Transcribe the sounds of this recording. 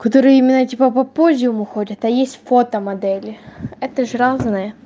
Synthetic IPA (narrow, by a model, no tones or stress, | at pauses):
kɐt̪oɾɨjəimʲɪnːətʲipəpɐpozʲɪjʊmʊxodʲət̪ɐjesʲtʲfo̞t̪əmɐd̪ɛlʲɪɛt̪əʐɨɾaznɨjə